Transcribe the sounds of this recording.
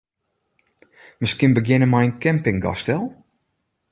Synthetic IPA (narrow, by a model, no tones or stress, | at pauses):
mɪskɪnbəɡjɪnəmɛjənkɛmpɪŋɡɔ̰stɛlˠ